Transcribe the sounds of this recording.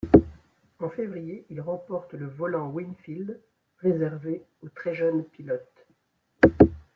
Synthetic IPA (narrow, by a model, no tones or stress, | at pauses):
ɑ̃fevʁijeilʁɑ̃pɔʁt̪ləvɔlɑ̃winfild̪ | ʁezɛʁve | ot̪χɛʒœnpilɔt̪